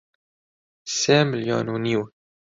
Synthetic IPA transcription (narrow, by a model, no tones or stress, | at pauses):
sɛmɪljo̰ːnuniw